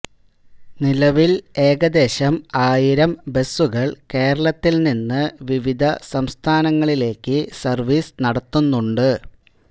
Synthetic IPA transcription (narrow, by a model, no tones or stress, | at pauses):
nilɐʋile̞ːɡɐd̪e̞ːɕɐmaːjiɾɐmbe̞sːuɣɐɭke̞ːɾɐɭɐt̪ːilninːɨʋiʋid̪ʱɐsɐmst̪ʰaːnɐŋːɐɭile̞ːkːɨsɐrʋiːsnɐɽɐt̪ːunːuɳɖɨ